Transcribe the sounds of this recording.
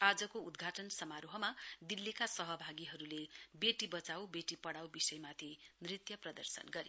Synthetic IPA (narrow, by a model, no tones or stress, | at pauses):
ad͡zʌkoud̪ɡʱaʈʌnsʌmaɾoɦʌmad̪ilːekasʌɦʌbʱaɡiɦʌɾulebeʈibʌt͡sawbeʈipʌɽawbisʌjmat̪ʰinrit̪jʌprʌd̪ʌrsʌ̰nɡʌɾḭ